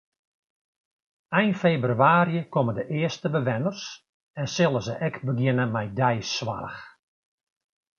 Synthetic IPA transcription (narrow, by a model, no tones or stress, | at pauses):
ɛjnfebryaːɾjəkɔmədəʔɪəstəbəʋɛnərs | ɛnsɪlˠəzəʔɛkbəɡjɪnəmɛjdɛjsʋa̰rə̰x